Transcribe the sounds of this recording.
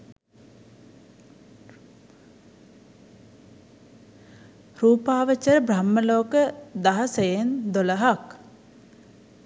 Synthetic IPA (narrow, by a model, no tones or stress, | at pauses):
ruːpaːʋət͡ʃəɾəbramːəloːkəd̪aɦəsəjend̪oləɦak